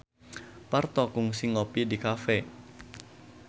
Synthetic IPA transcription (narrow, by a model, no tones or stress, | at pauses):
part̪ɔkʊŋsɪŋopidikafɛ